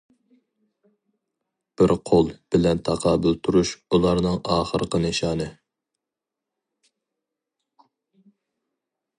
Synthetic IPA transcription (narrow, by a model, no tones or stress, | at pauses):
b̥ɪɾqʰolˠb̥ɪlɛnt̪ʰɑqʰɑːbɨlt̪ʰuɾuʃulˠɑɾnɨŋɑːχəɾqənɪʃɑːnɨ